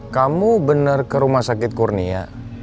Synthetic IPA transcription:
kamubənərkəɾumahsakɪt̪̚kurnia̰

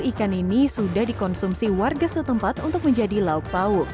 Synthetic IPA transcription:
ikaninisudahdikɔnsumsiwarɡasət̪əmpat̪unt̪ʊk̚məɲd͡ʒadilauk̚paʊ

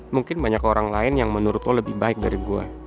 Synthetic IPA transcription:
muŋkɪnbaɲakoɾaŋlaɪnjaŋmənuɾʊt̪ləbɪhbaɪk̚daɾiɡua̰

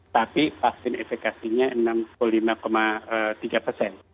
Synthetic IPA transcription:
t̪apifasɪnefekasiɲaənampullimakomaət̪iɡapərsɛn

